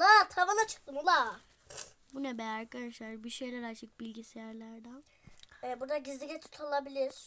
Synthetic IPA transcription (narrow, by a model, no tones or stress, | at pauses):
at̪ʰavanˠat͡ʃʰɯ̥k̚d̪ɯmulˠa | bunɛbɛaɾkʰad̪aʃlˠaɾbiʃe̞jlʲæɾat͡ʃʰɯk̚bilʲɟisijæɾlʲæɾd̪æn | ɛːbuɾd̪aɟizlʲiɟʲɛt̪ʰu̥t̪ʰalˠabilʲiɾ̥